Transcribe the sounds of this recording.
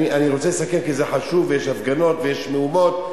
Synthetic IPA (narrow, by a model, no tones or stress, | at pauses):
iʔaniʁot͡selesakemkizeħaʃuvejeʃhafɡano̞t̪vejeʃmeumo̞t̪̚